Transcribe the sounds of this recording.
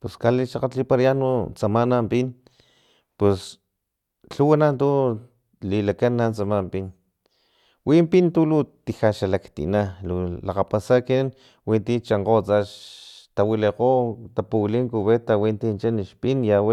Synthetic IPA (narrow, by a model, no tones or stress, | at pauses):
peskaliʃaqat͡ɬlipaɾjanut͡samanampin | pes | ɬuwanant̪u | lilakanːant͡samampin | wimpint̪ulut̪ixaʃalakt̪ḭnalulaqapasakin | wint̪it͡ʃaɴqot͡saʃt̪awileqot̪apuliŋkuβet̪awint̪int͡ʃaniʃpinjaw